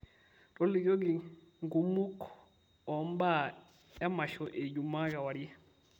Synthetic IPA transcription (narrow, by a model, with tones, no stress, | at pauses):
tɔ˦li˨ɡo˦ɡi˨ | ŋɡu˨mu˦k | ɔ˨mba˦˨ | ja˦ma˨ʃɔ˨ʔe˨ɟu˨ma˦ka˨wa˨ɾi˦jɛ˦